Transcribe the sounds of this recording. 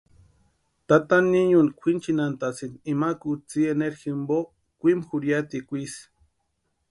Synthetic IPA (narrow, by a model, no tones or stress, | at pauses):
t̪at̪anːiɲunkʷʰint͡ʃinant̪at͡sinimakut͡sieneɾximbo | kʷimxuɾjat̪ikʷis